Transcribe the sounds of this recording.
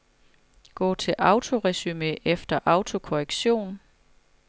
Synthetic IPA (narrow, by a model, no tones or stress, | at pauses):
ɡ̥ɔ̰ːt͡sʰe̝lʔɑ̈ʊt͡sʰo̝ʁɛsymeefd̥ɐʔɑ̈ʊt͡sʰo̝kʰo̝ʁeɡ̥ɕo̝̰ːn